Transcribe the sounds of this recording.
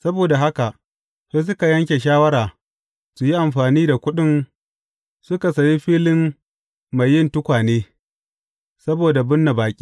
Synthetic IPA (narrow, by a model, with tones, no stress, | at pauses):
sɐ˦boː˨da˨ɦa˦ka˨ʔ | ɸe˦s̬ʊ˦ka˨jɐ˦ŋkʲe˨ʃ̬aː˦wɐ˦ɾaː˨ | su˨ji˦ʔa˨mɸaː˨niː˦da˨kʷʊ˦ɗɪ˦n | sʊ˦ka˨sɐ˨ji˦ɸiː˦lɪ˦m | ma˨jːɪ˦ntʊ˦kʷaː˨neː˦ | sɐ˦boː˨da˨bʊ˦nːa˨baː˨kʲʼi̥ː˦